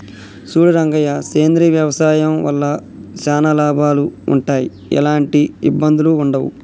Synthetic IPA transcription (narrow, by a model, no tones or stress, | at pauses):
suːɽɐɾɐŋɡɐjɐkeːnd̪ɾiʋjɐʋɐsaːjɐmʋɐ̰lːɐ | t͡ʃaːnɐlaːbʱaːluṵɳʈaːjḭ | ɛ̰laːɳʈiḭbːɐnd̪uluːɳɖɐʋṵ